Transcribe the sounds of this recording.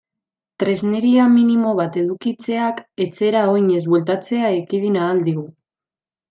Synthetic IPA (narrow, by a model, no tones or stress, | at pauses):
t̪ɾe̞zne̞ɾiaminimo̞β̞at̪e̞ð̞ukit͡se̞ake̞t͡se̞ɾao̞jɲe̞zβwe̞lt̪at͡se̞aekiðinaːld̪iɣu